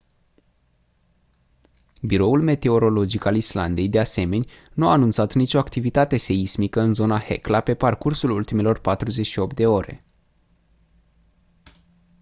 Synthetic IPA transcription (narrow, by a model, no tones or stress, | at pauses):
biɾo̞ulme̞t̪e̞o̞ɾo̞lo̞d͡ʒikalisla̰nd̪e̞jd̪e̞ase̞me̞nʲ | nuaːnunt̪sat̪nit͡ʃo̞akt̪ivit̪at̪e̞se̞ismikəɨnzo̞nahe̞̰klape̞parkursulult̪ime̞lo̞rpat̪ɾuze̞t͡ʃʃio̞p̚t̪̚d̪e̞o̞ɾe̞̰